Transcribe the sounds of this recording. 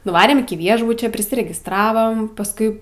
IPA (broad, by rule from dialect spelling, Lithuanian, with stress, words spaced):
nʊˈʋɑːrʲeːm ɪkʲɪ ˈʋʲiɛʒbʊt͡ʃʲoː pʲrʲɪsʲɪrʲɛɡʲɪstˈrɑːʋoːm pɐsˈkʊɪ